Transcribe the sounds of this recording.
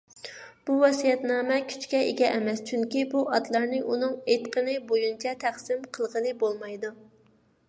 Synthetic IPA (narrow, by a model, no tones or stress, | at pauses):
b̥uwɑsijɛt̪nɑːmɛkʲʰy̥t͡ʃkʲɛʔeɡʲɛʔɛmɛst͡ʃʰyŋkʲibuɑt̪lˠɑɾnɨʔunɨŋet̪qʰənɨbojunt͡ʃʰɛt̪ʰæχsɪmqʰəlˠʁənɨbolˠmɑjd̪u